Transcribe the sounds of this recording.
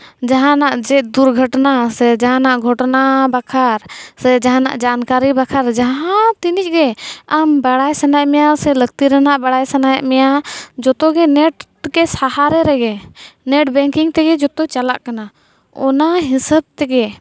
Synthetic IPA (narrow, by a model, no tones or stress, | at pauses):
d͡ʒaɦãnaʔd͡ʒɛʔ̚d̪uɾɡʱəʈnasɛd͡ʒaɦãnaʔɡʱɔʈnabakʰaɾsɛd͡ʒaɦãna̰ʔd͡ʒankaɾibakʰaɾd͡ʒaɦãt̪inic̚ˀɡɛambaɽajsanajaʔmɛjasɛləɡ̚t̪iɾɛnaʔbaɽajsanajaʔmɛjad͡ʒɔt̪ɔɡɛnɛʈ | ɡɛsahaɾɛɾɛɡɛnɛʈ̚bɛŋkiŋt̪ɛɡɛd͡ʒɔt̪ɔt͡ʃalaʔkana | ɔnaɦisəb̚t̪ɛɡɛ